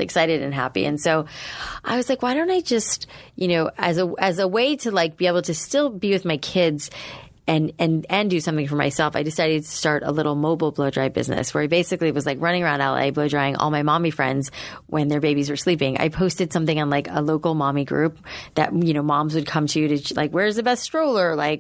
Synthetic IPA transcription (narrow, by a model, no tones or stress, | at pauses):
ɨ̰ksaɪɾɨɾɨ̃nɦæpḭɨ̰̃nsoʊʔaɪwʌzlaɪkwaɪɾõʊ̃ntaɪd͡ʒʌstjɨnoʊʔɨzəʔɨzəweɪɾɨlaɪk̚b̥ieɪbl̩ˠtʰɨstɪlˠbiwɨðmaɪkʰɪdz | ɨ̃nɨ̃nɨ̃ndɨsʌ̃mθɪ̃ŋfə˞ma̰ɪsɛlˠfa̰ɪdɨsaɪɾɨd̚tʰɨ̥stɑɹɾə̰lɪɾl̩ˠmoʊbl̩ˠbloʊdɹaɪbɪ̰znɨ̰swə̰˞aɪbeɪsɨkliwʌzlaɪkɹʌ̃ñɪ̃ŋə˞ãʊ̃ndæ̰lˠḛɪbloʊdɹaɪɪ̃ŋʔɔ̰lˠmaɪmɑ̃mifɹɛ̰̃ndz̥ | wʔɨ̃nðə˞beɪbizwə˞slipɪ̃ŋa̰ɪpʰoʊstɨd̥sʌ̃mθɪ̃ŋɨ̃nlaɪkə̰loʊkl̩ˠmɑmiɡɹʉp̚ðɨ̰t̚jɨñoʊmɑ̃mzwɨd̚kʰʌ̃mtʰɨjɨɾɨla̰ɪkwə˞zðɨbɛststɹ̥oʊlˠə˞la̰ɪk̚